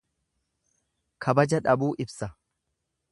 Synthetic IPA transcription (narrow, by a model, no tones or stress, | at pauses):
kʰɐbɐd͡ʒɐᶑɐbuːʔɪbsɐ